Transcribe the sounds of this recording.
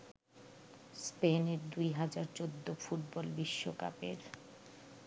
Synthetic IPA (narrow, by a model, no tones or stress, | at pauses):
speneɾd̪ujɦad͡ʑaɾt͡ɕod̪ːofuʈ̚bɔlbiʃːoka̰peɾ